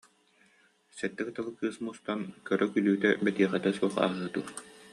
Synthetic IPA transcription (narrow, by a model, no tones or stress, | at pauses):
sɛt̪ːɛkɯt̪alˠɯkɯːsmust̪ankœɾœkylyːt̪ɛbɛt̪iːχɛt̪ɛsuɔχa̰ːɦɯːd̪uː